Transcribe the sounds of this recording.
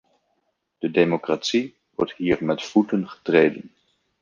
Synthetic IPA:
d̥ədemokratsi | ʋɔ̰ɹtɦiːɹmɛtfutənχə̥trejdə̰n

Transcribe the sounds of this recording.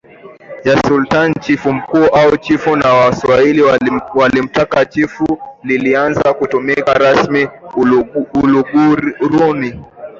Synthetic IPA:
d͡ʒasultant͡ʃifum̩kuːʔaut͡ʃifunawaswailiwalim̩takat͡ʃifulilianzakutɔmɛkaɾasmi | uluɡuɾuni

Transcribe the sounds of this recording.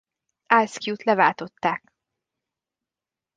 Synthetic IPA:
alskjuːt̪lɛvaːlt̪o̞t̪ːaːk

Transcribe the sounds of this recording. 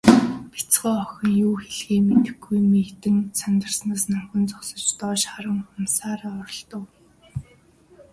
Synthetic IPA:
pi̥t͡sɢœːɔxʲɞ̆ŋjuːxeɮɣeːmet̪ɘ̆xɡujmet̪ɘ̆nsant̪ə̆rsnaːsnamxʲɪ̆nt͡sɔsɞ̆t͡ɕt̪ɔːʃχaɾə̆ŋχʊmsaːɾaːɔɾɞ̆ɮt̪ɞ̆w

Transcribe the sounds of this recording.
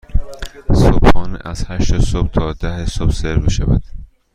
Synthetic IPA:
sob̥hɒːnḭʔæz̥hæʃt̪esob̚t̪ʰɒːd̪æhesobseɾmiʃævæ̰d̪̥

